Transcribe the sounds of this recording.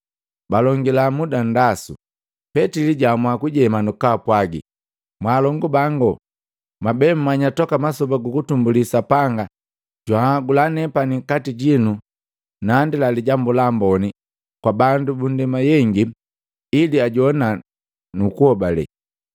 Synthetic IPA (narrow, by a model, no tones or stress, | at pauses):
balɔŋɡilamudandasṵ | pɛtiliɟamwakuɟɛmanukapwaɡḭ | mwaːlɔŋɡubaŋɡɔ | mabɛm̩maɲatɔkamasɔbaɡukutumbulisapaŋɡa | ɟwaɡulanɛpaniŋkatiɟinu | nandilaliɟambulambɔni | kwabandubundɛmajɛŋɡi | iliaɟɔna | nukuhɔbalɛ̰